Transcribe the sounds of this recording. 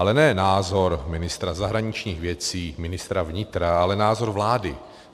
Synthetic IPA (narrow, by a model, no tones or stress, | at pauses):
alɛnɛːnaːzo̞ɾmɪnɪst̪ɾazaɦɾaɲɪt͡ʃɲiːɣvjɛt͡siːmɪnɪst̪ɾavɲɪt̪ɾaalɛnaːzo̞ɾvlaːdɪ